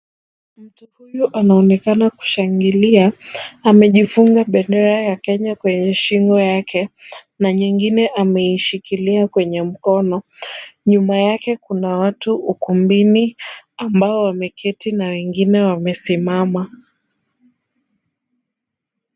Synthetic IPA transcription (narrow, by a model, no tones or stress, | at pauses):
m̩tuhujuʔanaɔnɛkanaku̥ʃaŋɡiliaːmɛʄifuŋɡaɓɛndɛɾajakɛɲakwɛɲɛʃiŋɡɔjakʰɛ | naɲiŋɡinɛʔamɛiʃikiliakwɛɲɛm̩kɔnɔɲumajakɛkunawatuukumbiniambaɔwamɛkʰɛtinawɛŋɡinɛwamɛsimama